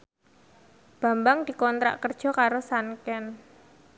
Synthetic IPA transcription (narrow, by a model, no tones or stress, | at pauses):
b̥a̤mbaŋd̪̥i̤kɔnt̪ɾa̰ʔkərd̥ʒ̥ɔ̤kaɾosankɛn